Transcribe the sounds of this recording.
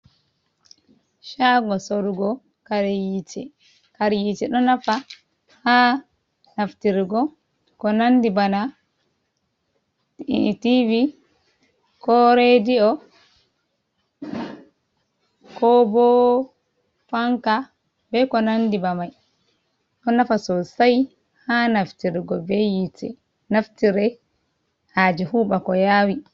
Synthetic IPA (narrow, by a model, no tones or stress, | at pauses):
ʃaɡɔsoɾuɡɔ | kaɾjit͡ʃɛ | kaɾjit͡ʃɛɗɔnafa | ha | naftiɾɡɔ | kɔnandibana | tivi | kɔɾediɔ | kɔbɔ | faŋka | bɛkɔnandibamaj | ʔɔnafasɔsaj | hanaftiɾiɡɔbɛjitɛ̰ | naftiɾɛ | had͡ʒihuːɓakɔjaːwi